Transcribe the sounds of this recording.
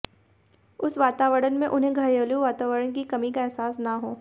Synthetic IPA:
ʊsʋaːt̪aːʋəɾənmẽʔʊnɦẽɡʱɐjoːluʋaːt̪aːʋəɾənkikɐmikaɛɦsaːsnaɦoː

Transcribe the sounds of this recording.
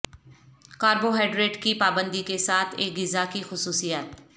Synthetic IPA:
kaːɾboɦɛːɖɾeːʈkipaːbə̃nd̪ikesaːt̪ʰḛːk̚ɡɪzakixʊsuːsijaːt̪

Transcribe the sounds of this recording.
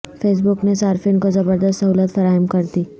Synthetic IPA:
fes̬buknesaɾfinkozəbəɾd̪əst̪əɦuləst̪fəɾaɦəmkəɾt̪iː

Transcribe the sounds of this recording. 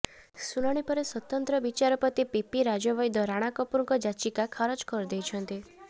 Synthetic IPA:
sulɔɽ̃ipɔɾeswɔt̪ɔnt̪ɾɔbit͡ʃaɾɔpɾɔt̪ipipiɾad͡ʒɔbɔjd̪ɔɾaɽ̃akɔpuɾɔŋkɔd͡ʒat͡ʃikakʰaɾɔd͡ʒkɔɾud̪ejt͡ʃʰɔnt̪i

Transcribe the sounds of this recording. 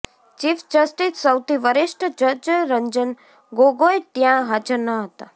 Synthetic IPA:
t͡ʃifd͡ʒəsʈissəwt̪ʰiʋəɾɪʃʈəd͡ʒəd͡ʒəɾəɲd͡ʒən | ɡoɡoet̪jãɦad͡ʒəɾnəɦət̪a

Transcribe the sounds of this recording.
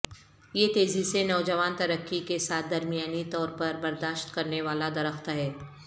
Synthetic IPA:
jet̪eːzisenɔːd͡ʒɐʋaːnt̪ɐɾəkːikesaːt̪̚ʰd̪ɐɾmijaːnit̪ɔːɾpɐɾbɐɾd̪aːʃt̪kɐɾneʋaːlad̪ɐɾəxt̪ɦɛː

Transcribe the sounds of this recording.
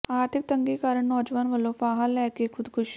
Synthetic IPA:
aɾt̪ʰik̚t̪əŋɡiːkaɾəɳːɔd͡ʑʋanʋəlofaɦalːakekʰud̪kʰuɕi

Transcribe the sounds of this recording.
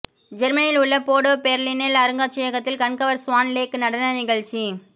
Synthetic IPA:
d͡ʒɛɾmɐnɪlʊɭːɐpoːɽoːpeɾlinelɐɾɯŋɡaːt͡ʃːɪjɐɣɐt̪ːɪlkɐɳkɐʋɐɾsʊʋaːnleːkɯnɐɽɐnɐnɪɣɐɭt͡ʃi

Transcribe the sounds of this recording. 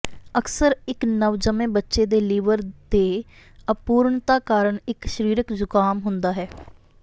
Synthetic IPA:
əksəɾɪknəʋd͡ʒəmẽːbətːʃeːd̪eːliːʋəɾd̪eː | əpuːɾɳt̪aːkaːɾəɳɪkʃəɾiːɾəkd͡ʒʊkaːmɦʊnd̪aːɦɛː

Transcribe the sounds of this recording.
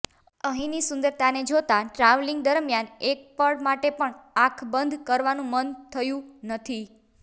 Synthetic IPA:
əɦĩnisʊnd̪əɾt̪aned͡ʒot̪aʈɾaʋliŋɡ̚d̪əɾmjanek̚pəɽmaʈepəɳakʰbənd̪ʱkəɾʋanũmənt̪ʰəjũnət̪ʰi

